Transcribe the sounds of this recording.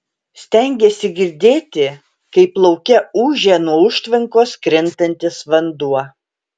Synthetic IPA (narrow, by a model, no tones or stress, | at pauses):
sʲt̪ʲɛŋʲɡʲesʲɪɡʲɪɾʲd̪ʲeːt̪ʲɪ | kɐɪplˠɐʊkʲɛuːʒʲeːnuɔʊʃʲt̪ʲʋʲɪŋkoːskɾʲɪnt̪ɐnʲt̪ʲɪsʋɐnd̪uɔ